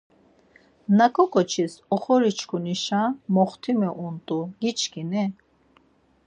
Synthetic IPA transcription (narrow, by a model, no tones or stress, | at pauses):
nakʰʼɔkʰʼɔt͡ʃʰisɔχɔɾit͡ʃʰkʰuniʃãmɔχt̪ʰimɛʔunt̪ʼuɡ̥it͡ʃʰkinɛ